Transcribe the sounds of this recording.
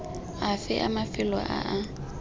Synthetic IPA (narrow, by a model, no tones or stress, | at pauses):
afɪʔamafɪlɔʔa̰ʔa